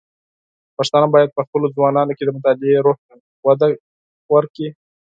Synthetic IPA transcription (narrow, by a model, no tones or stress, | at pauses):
paʂt̪ɑnabɑjad̪̚pəxpəlod͡zwɑnɑnoked̪əmʊt̪ɑlɪeɾoha | wad̪a | wəɾki